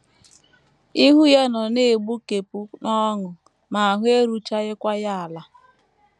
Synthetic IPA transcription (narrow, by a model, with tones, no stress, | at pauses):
i˦ɦu˦ja˦nɔ˨ne˦˨e˨ɡ͡bu˦ke˨pu˦nɔ˦ŋʊ˨ | ma˨a˨ɦʊ˦e˦ɾu˦t͡ʃa˦ɣɪ˦kʷa˦ja˦a˨la˦